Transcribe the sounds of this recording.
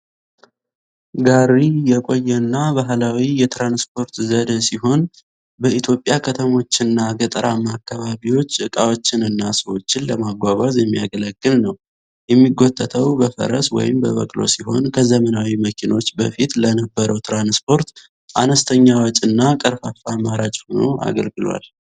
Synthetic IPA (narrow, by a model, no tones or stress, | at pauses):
ɡaɾijɛkʼo̞jːɛnːabaɦlawijɛt̪ɾanspʰo̞ɾt̪zəd̪əsiɦo̞n | bəit̪ʰjo̞pʼjakʰət̪ʰəmo̞t͡ʃːɪnːaɡət̪ʼəɾʔamakʰːaβaβiwo̞t͡ʃːɨkʼawo̞t͡ʃːɪnɨnːasəwo̞t͡ʃːɪnləmaɡʷaβazjɛmːijaɡələɡːɨlnəw | jɛmːiɡːot̪ʼːət̪ʰəwbəfə̰ɾə̰swɔ̰jɪmbəβə̰kʼlo̞̰siho̞nkʰəzəmənawiməkʰino̞t͡ʃːbəfit̪lənəbːəɾəwt̪ʰɾanspʰo̞ɾt̪ | ʔanəst̪ʰəɲːawɔt͡ʃʼɨnːakʼəɾfafamaɾat͡ʃʼho̞no̰ʔa̰ɡəlɡɨlwa̰l